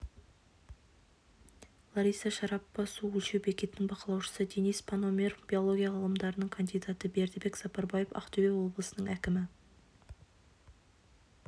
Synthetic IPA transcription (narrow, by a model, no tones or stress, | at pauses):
lˠaɾijsɑʃɑɾɑpːɑsuwɵlʃewbe̞kʲe̞t̪ɪnɪŋbɑqəlˠɑwʃə̥səd̪enijspʰanomʲeɾfb̥ʲio̞lˠo̞ɡʲijaʁɑlˠəmd̪ɑɾənəɴkʰand̪ijd̪at̪əbe̞ɾd̪ebe̞ksɑpɑɾbɑjefɑ̰qt̪ovʲewo̞blˠəsənəɴækʲɪmɪ